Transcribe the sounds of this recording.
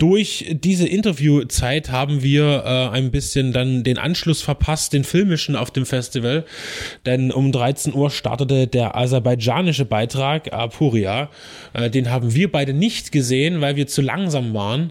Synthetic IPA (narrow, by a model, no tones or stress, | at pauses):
d̥ʊɐçd̥iːzəʔɪntɐvjuːt͡saɪthaːbm̩viːɐʔɛːaɪnbɪsçəndandeːnʔa̰nʃlʊsfɛɐpʰast̚d̥eːnfɪlmɪʃn̩a̰ʊfd̥eːmfɛstivəld̥ɛnʔʊmdʁaɪt͡senʔuːɐʃta̰ɐtətədeːɐʔa̰zɛɐbaɪd͡ʒa̰ːnɪʃəbaɪtʁ̥aːkʔa̰pʰuːʁiaː | ʔɛdeːnɦaːbm̩viːɐbaɪdənɪçtɡ̥əzeːənvaɪlviːɐt͡sula̰ŋzaːmvaːʁən